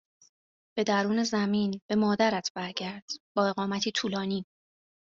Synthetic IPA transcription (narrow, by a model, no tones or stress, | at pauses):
b̥e̞d̪æɾuːne̞zæmiːnb̥e̞mɒːd̪æɾæt̪ʰb̥æɾɟæɾd̪̥b̥ɒːe̞ɣɒːmæt̪ʰiːt̪ʰuːlɒːniː